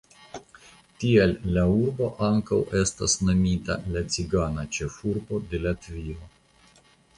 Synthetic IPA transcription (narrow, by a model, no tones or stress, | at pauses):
tielːauɾbo̞ʔaŋkawe̞sta̰snomita̰lat͡siɡanat͡ʃe̞fuɾbo̞de̞lat̪vio